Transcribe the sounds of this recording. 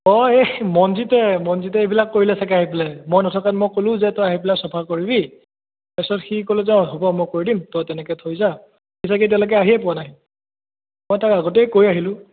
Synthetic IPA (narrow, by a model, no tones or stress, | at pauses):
ɔemɔnzitɛmɔnzitɛebilakːoɹilɛsakɛaɦipilɛmɔjnɔtʰɔkanmɔjkolʊ̃zɛtɔjaɦipilasɔpʰakoɹibi | pɛsɔtxikolɛzaɦɔbɔmɔjkoɹidimtɔtɛnɛkɛtʰojza | xisakɛt̬ɛʊ̃lɔk̬ɛaɦiɛpʊwanaɦĩ | mɔjtakaɡotɛjkoɹiaɦilʊ̃